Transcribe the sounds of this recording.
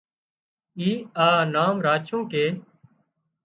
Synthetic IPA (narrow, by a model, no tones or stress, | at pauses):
iːaːnaːmɾaːt͡ʃʰõːkeː